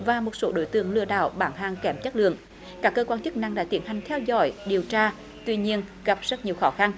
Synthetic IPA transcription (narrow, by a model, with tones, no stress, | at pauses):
vaː˨˩mo˨˩t̚so˧˨˦ɗo̰˧˩jt̪ɨ̰˧˨əŋlɨ˧əɗa̰ː˧˨wɓaː˧˩nɦaː˧˩ŋkɛ˧˩mt͡ɕə˦˥t̚lɨ̰˧˨əŋ | kaː˦˥kːəː˧kwaː˧nt͡ɕɨ˦˥k̚na˧ŋɗa̰ː˧˥t̪i˧˩˦ənha˨˩jŋ̟t̪ʰɛ˧wzɔ̰˧˩jɗi˨˩əwt͡ɕaː˧ | t̪wi˧ɲi˧ənɣa˨˩p̚z̥ə˦˥t̚ɲi˨˩əwxɔ˨˦xa˧n